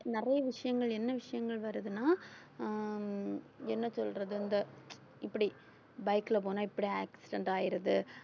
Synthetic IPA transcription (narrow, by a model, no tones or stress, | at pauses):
nɪrɐjɐʋɪʂɐjɐŋɡɐɭɛnːɐʋɪʂɐjɐŋɡɐɭʋɐɾɯðɯnaː | ɛnːɐsɔlɾɐðɯɐnd̪ɐ | ɪpːɐɽi | bɐjkːɪlɐp̬oːnaːɪpːɐɽiaːksɪɖɛɳʈaːjɪɾɐðɯ